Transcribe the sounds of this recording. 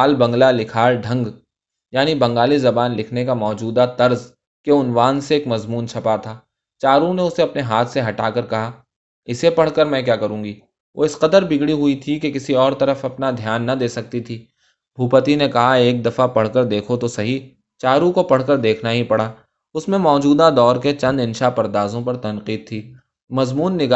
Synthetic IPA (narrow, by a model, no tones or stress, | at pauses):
aːlbɐ̃ŋɡlalɪkʰaːɾɖʱɐ̃ŋɡ | jaːnibɐ̃ŋɡaːlizɐbaːnlɪkʰnekamɔːd͡ʒuːd̪at̪ɐɾz | keʊnwaːnseeːkmɐzmuːnt͡ʃʰɐpat̪ʰaː | t͡ʃaːɾũneʊseɐpneɦaːt̪ʰseɦɐʈaːkɐɾkɐɦa | ɪsepɐɽ̤kəɾmɛ̃ːkjaːkɐɾũːɡi | ʋʔo̰ːɪsqɐd̪əɾbɪɡɽiɦʊit̪ʰikekɪsiɔːɾt̪ɐɾəfɐpnad̪ʱjaːnːɐd̪eːsɐk̚t̪it̪ʰiː | bʱuːpət̪inekɐɦaeːk̚d̪ɐfapɐɽ̤kəɾd̪eːkʰot̪osɐɦi | t͡ʃaːɾũkopɐɽ̤kəɾd̪eːkʰnaɦipɐɽ̤aː | ʊsmẽmɔːd͡ʒuːd̪ad̪ɔːɾket͡ʃɐ̃nd̪ɪ̃nʃapɐɾd̪aːzõpɐɾt̪ɐ̃nqiːd̪̚t̪ʰːiː | mɐzmuːnːɪɡ